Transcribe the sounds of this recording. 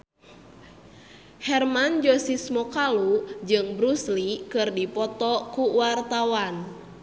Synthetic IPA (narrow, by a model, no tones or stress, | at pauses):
hɛrmand͡ʒosismɔkalud͡ʒɨŋbɾuslikɨrdipɔt̪ɔkuwart̪awan